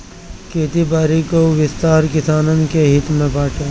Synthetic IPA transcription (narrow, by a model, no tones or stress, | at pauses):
keːt̪ibaːɾikoʋɪst̪aːɾkɪsaːnənkeɦɪt̪mẽbaːʈʰeː